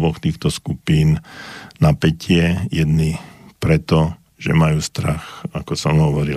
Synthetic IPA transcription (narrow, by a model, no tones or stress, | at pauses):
ʋɔxt̪iːxt̪ɔskupiːnnapɛcʰɪɛjɛd̪nipɾɛt̪ɔ | ʒ̥ɛ̰majuːst̪ɾaxakɔsɔmɦɔʋɔɾi